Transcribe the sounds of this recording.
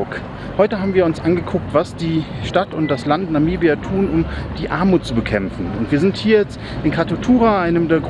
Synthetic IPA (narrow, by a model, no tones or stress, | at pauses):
k | hɔʏtəɦaːbm̩viːɐʊnsʔanɡəkʰʊk̚tv̥asd̥iːʃtatʊnt̚d̥aslantnamiːbiatʰuːnʊmd̥iːʔaɐmuːt̚t͡subəkʰɛmfn̩ʊntv̥iːɐzɪnthiːɐjɛt͡st | ɪnkʰʁatotʰuːʁaʔaɪnəmdeːɐɡʁ